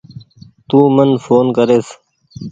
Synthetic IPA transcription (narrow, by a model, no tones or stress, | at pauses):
t̪uːmənfoːnkəɾeːs